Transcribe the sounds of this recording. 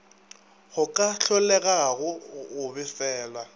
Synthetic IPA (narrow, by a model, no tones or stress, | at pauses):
ɣʊkʼaɬɔlɛɣaɣʊːbɪfɛːla